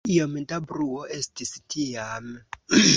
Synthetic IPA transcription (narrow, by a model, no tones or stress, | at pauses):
iɔmɛtabruɔʔestisi̥tʰijam